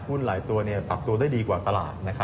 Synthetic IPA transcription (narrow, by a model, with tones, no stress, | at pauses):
hu˥˩nlaː˩˦jt̪u˧ɐni˥˩ɐpɾa˨˩p̚t̪u˧ɐdaː˥˩jdiː˧kwaː˨˩t̪a˧la̰ː˨˩t̪̚na˦˥kʰa˦˥